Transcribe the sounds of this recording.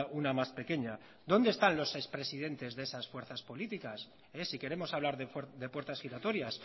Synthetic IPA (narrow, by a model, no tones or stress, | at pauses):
unamaspe̞ke̞ɲa | d̪o̞nd̪est̪anlo̞sːe̞spɾe̞sið̞e̞nt̪e̞zðeesasfwe̞ɾθaspo̞lit̪ikas | esike̞ɾe̞mo̞saβ̞laɾðed̪e̞pwe̞ɾt̪asxiɾat̪o̞ɾjas